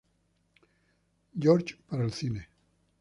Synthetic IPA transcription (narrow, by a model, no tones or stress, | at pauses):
d͡ʑoːɾd͡ʒpaɾelsine